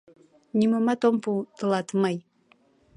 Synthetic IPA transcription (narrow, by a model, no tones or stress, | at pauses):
nimɐmatʰompʰutɨlatʰɨmɐj